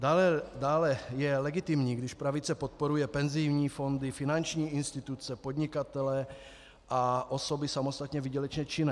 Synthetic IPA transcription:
dalɛdaːlɛjɛlɛɡɪt̪ɪmɲiːɡdɪʃpɾavɪt͡sɛpot̪̚poɾujɛpɛnzɪjvɲiːfo̞nd̪ɪfɪnant͡ʃɲiːʔɪnst̪ɪt̪ut͡sɛpod̪ɲɪkat̪ɛlɛ | ʔaʔoso̞bɪsamost̪at̪ɲɛvɪɟɛlɛt͡ʃɲɛt͡ʃɪnɛ

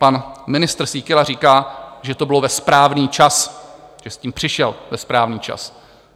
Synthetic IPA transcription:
panmɪnɪst̪r̩siːkɪlariːkaːʒɛt̪o̞bɪlo̞vɛspɾaːvniːt͡ʃasʒ̥ɛsciːmpr̥ɪʃɛlvɛspɾaːvniːt͡ʃa̰s

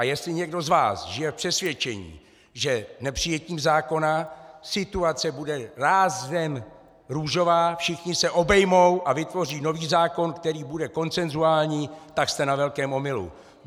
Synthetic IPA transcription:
ajɛst̪lɪɲɛɡdo̞zva̰ːsʒɪjɛfpr̥ɛsvjɛt͡ʃɛɲḭː | ʒɛnɛpr̝̥ɪjɛciːmzaːko̞nasɪt̪uat͡sɛbudɛɾaːzdɛm | ɾuːʒo̞vaːfʃɪxɲɪsɛʔo̞bɛjmo̞wʔavɪt̪vo̞r̝iːno̞viːzaːko̞nkt̪ɛɾiːbudɛko̞nt͡sɛnzuaːlɲiːt̪akst̪ɛnavɛlkɛːmo̞mɪlṵ

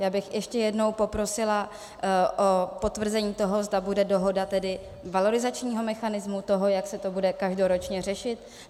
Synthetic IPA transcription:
jaːbɪxjɛʃcɛjɛdno̞wpo̞pɾo̞sɪla | ʔopo̞t̪vr̩zɛɲiːt̪o̞ɦo̞zdabudɛdo̞ɦo̞dat̪ɛdɪ | valo̞ɾɪzat͡ʃɲiːɦo̞mɛxanɪzmut̪o̞ɦo̞jaksɛt̪o̞budɛkaʒdo̞ɾot͡ʃɲɛr̝ɛʃɪt̪̚

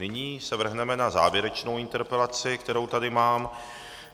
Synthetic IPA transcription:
nɪɲiːsɛvr̩ɦnɛmɛnaza̰ːvjɛɾɛt͡ʃnowɪnt̪ɛɾpɛlat͡sɪk̚t̪ɛɾo̞wt̪adɪmaːm

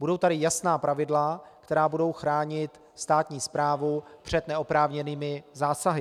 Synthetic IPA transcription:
budo̞wt̪aɾɪjasnaːpɾavɪdlakt̪ɛɾaːbudo̞wxɾaːɲɪt̪ | st̪aːt̪ɲiːspɾaːvupr̝̥ɛd̪nɛopɾaːvɲɛniːmɪzaːsaɦɪ

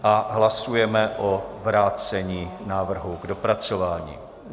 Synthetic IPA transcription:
ʔaɦlasujɛmɛʔovɾaːt͡sɛɲiːnaːvr̩ɦuɡdo̞pɾat͡so̞vaːɲḭː

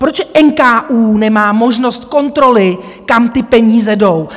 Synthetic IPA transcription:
pɾot͡ʃʔɛnkaːʔuːnɛmaːmo̞ʒno̞st̪̚ko̞nt̪ɾo̞lɪ | kamt̪ɪpɛɲiːzɛdo̞w

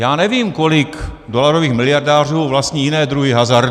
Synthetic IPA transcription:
jaːnɛviːmkolɪk | dolaɾoviːxmɪlɪjaɾdaːr̝uːvlast̪ɲijɪnɛːd̪ɾuɦɪɦazaɾd

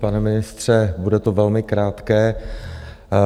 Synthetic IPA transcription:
panɛmɪnɪst̪r̝̥ɛbudɛt̪ovɛlmɪkɾaːt̪kɛː

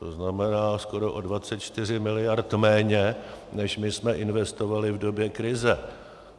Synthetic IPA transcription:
t̪oznamɛnaːsko̞ɾoʔodvat͡sɛt̪t͡ʃt̪ɪr̝ɪmɪlɪjaɾt̪mɛːɲɛnɛʃmɪsmɛʔɪnvɛst̪o̞valɪvdo̞bjɛkɾɪzɛ

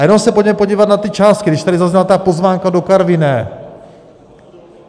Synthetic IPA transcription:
jɛnowsɛpoɟmɛpoɟiːvat̪nat̪ɪt͡ʃaːst̪̚kɪɡɾdɪʃt̪adɪzazɲɛlat̪apo̞zvaːŋkado̞kaɾvɪnɛ

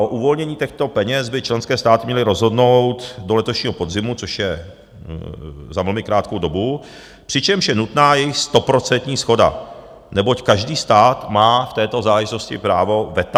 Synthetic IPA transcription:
ʔoʔuvo̞lɲɛɲiːt̪ɛxt̪opɛɲɛzbɪt͡ʃlɛnskɛːst̪aːt̪ɪmɲɛlɪɾo̞zɦo̞dno̞wt̪do̞lɛt̪oʃɲiːɦo̞po̞dzɪmut͡soʃjɛ | zavl̩mɪkɾaːt̪̚kowdo̞bu | pr̝̥ɪt͡ʃɛmʃjɛnut̪naːjɛjɪxst̪o̞pɾo̞t͡sɛnt̪ɲiːsxo̞da̰ | nɛbo̞ckaʒdiːst̪aːt̪maːft̪ɛːt̪o̞zaːlɛʒɪt̪o̞scɪ̰pɾaːvo̞vɛt̪a

